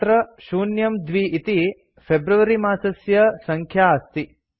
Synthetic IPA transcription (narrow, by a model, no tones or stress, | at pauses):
t̪ɾɐʃuːnjɐmd̪ʋiit̪i | pʰebɾuʋɐɾimaːsɐsjɐsɐŋkʰjaːst̪i